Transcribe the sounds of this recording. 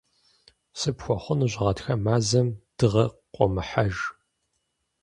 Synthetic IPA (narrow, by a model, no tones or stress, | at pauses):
sɨpxʷɔχʷʊnɨʑʷʁɐtxɐmaːzɐmd̥ɨʁɐqʷʼɔmɨħaʒ